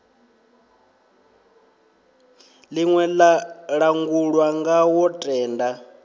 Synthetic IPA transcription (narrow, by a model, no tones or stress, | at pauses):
liŋwɛlɺaŋɡuɺwaŋɡawɔtʼɛːnda